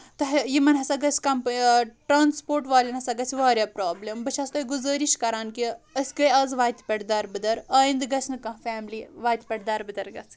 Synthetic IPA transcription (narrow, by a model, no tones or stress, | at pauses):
t̪ɐɦjimɐnɦɐsaɡɐt͡sʰʲkɐmpʈɾaːnspoːɾʈʋaːlʲɐnɦɐsaɡɐt͡sʰiʋaːɾʲjaːpɾaːblembɐt͡ʃʰɐst̪ɐɡuzəːɾiʃkɐɾaːnkiɐsʲkɐjɐzʋaːt̪ʲpʲɐʈd̪aːɾbɨd̪ɐɾɐːind̪ɡɐt͡sʰnɨkɐ̃fʲɛːmliʋaːt̪ʲpʲɐʈd̪aːɾbɨd̪ɐɾɡɐt͡sʰ